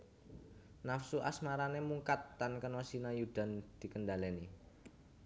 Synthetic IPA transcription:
nafsuʔasmaɾanemuŋkat̪ːankənɔsinajud̪̥a̤nd̪̥i̤kənɖaleni

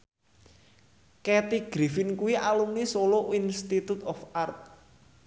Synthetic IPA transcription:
kɛt̪iɡ̥ɾifɪnkuwiʔalumnisoloinst̪it̪ut̪ɔfart̪̚

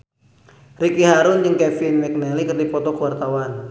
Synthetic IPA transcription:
rikiɦaɾʊnd͡ʒɨŋkɛfinmɛk̚nɛlikərd̪ipɔt̪ɔkəwart̪awan

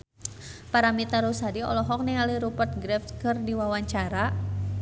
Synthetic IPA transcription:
paɾamit̪aɾusadiɔ̰lɔɦɔk̚nealiɾupərt̪̚ɡɾɛfkərdiwawaɲt͡ʃaɾa

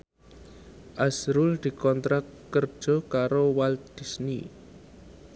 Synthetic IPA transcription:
ʔasɾʊld̪̥i̤kɔnt̪ɾakkːər̥ʒ̥ɔ̤kaɾowald̪̥i̤sni

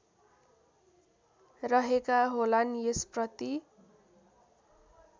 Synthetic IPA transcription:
rʌɦekaɦolanjesprʌt̪i

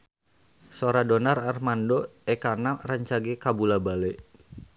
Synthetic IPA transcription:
soɾadonararmandoɛkanaraɲt͡ʃaɡekabulabale

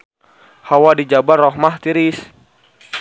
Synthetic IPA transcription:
hawadid͡ʒabarɔɦmaht̪iɾɪs

